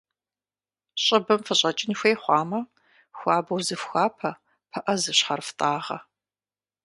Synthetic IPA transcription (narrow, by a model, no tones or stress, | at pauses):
ɕʼɪbɐmfɨɕʼɐt͡ʃʼɪnxʷeːjχʷɑːmɐ | xʷaːbɐwzɨfxʷaːpʰɐ | pʰɐʔɐzɨɕħɐrftʼaːʁɐ̰